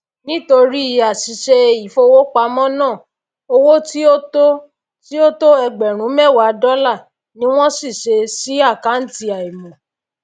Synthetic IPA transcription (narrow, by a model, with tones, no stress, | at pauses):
nĩ˦to˧ɾi˦i˧a˨si˨ʃe˧i˨fo˧wo˦k͡pa˧mɔ̃˦nãː˦˨ | o˧wo˦ti˦o˦to˦ | ti˦o˦to˦ɛ˧ɡ͡bɛ˨ɾ̃ũ˨˦mɛ˦˨wa˨˧˦dɔ˦la˦˨ | nĩ˦w̃ɔ̃˦si˦˨ʃe˧si˨˦a˦˨ka˨˦n̩˦ti˧a˨i˨mɔ̃˨